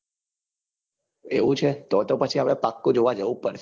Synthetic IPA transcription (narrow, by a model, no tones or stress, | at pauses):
ḛʋũt͡ʃʰet̪ot̪opət͡ʃʰiapɽ̃epakːũd͡ʒoʋad͡ʒəʋũpəɾʰ